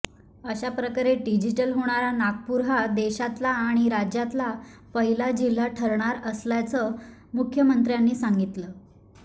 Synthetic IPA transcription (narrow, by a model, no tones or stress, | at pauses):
əɕapɾəkaɾeɖid͡ʑiʈəlɦoɽ̃aɾanaɡ̚puɾɦad̪eɕat̪laːɽ̃iɾad͡ʑjat̪lapəɦilad͡ʑil̤ːaʈʰəɾɳaɾəslat͡sə | mukʰjəmənt̪ɾjanːiːsaŋɡit̪ləː